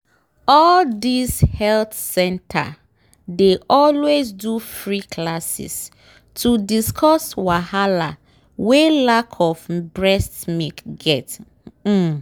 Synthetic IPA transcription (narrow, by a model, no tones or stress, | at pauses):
ɔldishɛlθsɛ̃ntʰa̰ | deʔɔlwezdufɹiklasḭs | tʰudiskʰɔswahala | welakʰɔfbɹɛstmikɡɛt̩